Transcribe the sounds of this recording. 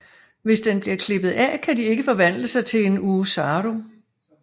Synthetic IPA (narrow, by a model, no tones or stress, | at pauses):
ʋe̝sd̥enb̥liɐkʰle̝b̥ð̩ˠækʰædie̝ɡ̥əfɒ̽ʋæn̰ləsɑ̈ɪt͡sʰe̝le̝nuːsɑːɾo̝